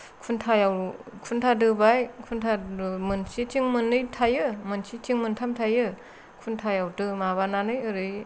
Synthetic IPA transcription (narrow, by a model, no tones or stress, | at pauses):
kʰuntʰajawkʰuntʰadɯbajkʰuntʰaɯmɯnsitʰiŋmɯnːɯjtʰajɯmɯnsitʰiŋmɯntʰamtʰajɯ | kʰuntʰajawtɯmaβananɯjɯɾɯj